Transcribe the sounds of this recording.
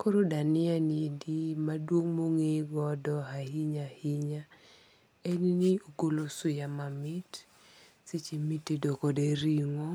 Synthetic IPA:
koɾodanɪanidimadwoŋmoŋeɡɔdɔɦahiɲahɪɲa | eninioɡolosʊjamamɪt | sit͡ʃimitedokodeɾiŋɔ

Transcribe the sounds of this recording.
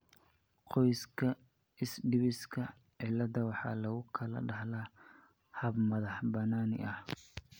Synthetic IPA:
qɔjskʰɐ | ɪsɖɪβɪskʰɐ | ʕɪlːɐðɐwɑħɑ̰ːlɐɣʊkʰɐlɐ̰ɖɐhla | hɐbmɐðɑħbɐnaːnɪ̰ʔɐh

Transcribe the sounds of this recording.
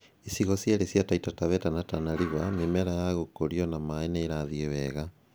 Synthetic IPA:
esiɣɔsjaɾesjataitataβɛtanatanaɾiβamimɛɾajaɣokoɾiɔnamaenaeɾaðieβɛɣa

